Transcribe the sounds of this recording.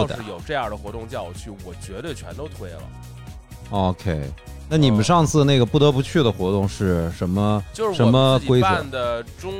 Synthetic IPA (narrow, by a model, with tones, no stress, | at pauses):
ɻ̩˩˥˩jo˨˩ʊʈ͡ʂɤ˥˧jɑ˥˩d̪ə˩xwɔ˧˥t̪ʊ˥˧ŋt͡ɕjɑ˥˧ʊ˧˩t͡ɕʰy˥˩wɔ˨˩t͡ɕɥɛ˧˥d̪ə˥˧˩t͡ɕʰɥɛ˧˥nt̪o˥ʊt̪ʰwe˥˩ɪlə̰˩ | o˧˥ʊkʰe˥ɪ | na˥˩ni˨˩mə˦nʂɑ˥˧ŋt͡sʰɹ̩˥˩na˥˩ɡə˩pu˥˩t̪ɤ˧˥pu˧˥t͡ɕʰy˥˩d̪ə˩xwɔ˧˥t̪ʊ˥˧ŋʂɻ̩˥˩ʂə˧˥nmə˧t͡ɕjo˥˧ʊʂɻʂə˧˥mə˧kwe˥ɪə˧˥˩nd̪ə˩ʈ͡ʂʊ˥ŋ